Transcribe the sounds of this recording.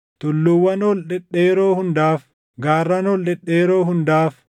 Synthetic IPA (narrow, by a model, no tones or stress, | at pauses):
t̪ʊlːʊwːɐnolᶑɛᶑeːɾoːhʊnd̪aːf | ɡaːrːɐnɔlᶑɛᶑːeːɾoːɦʊnd̪aːf